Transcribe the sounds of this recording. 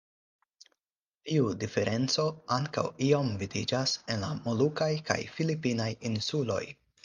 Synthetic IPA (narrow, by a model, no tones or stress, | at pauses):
tiudife̞ɾʔe̞nt͡so̞aŋka̰wio̞mvidid͡ʒase̞nlamolukajka̰jfilipinajinsulo̞̰j